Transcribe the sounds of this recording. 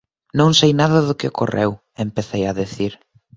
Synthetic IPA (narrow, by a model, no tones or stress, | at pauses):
nõŋsejnaðɐðʊkɪokorḛw | empeθejɐðeθiɾ